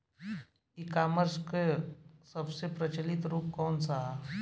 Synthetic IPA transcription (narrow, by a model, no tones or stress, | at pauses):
ikaːməɾskesɐbsepɾət͡ʃəlɪt̪ɾuːp̚kɔːnsaɦa